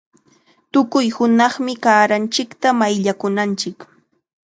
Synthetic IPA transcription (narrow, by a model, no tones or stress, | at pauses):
t̪ʊkʊjhʊnɑχmɪkaːɾant͡ʃɪkt̪amajʎakʊnant͡ʃɪk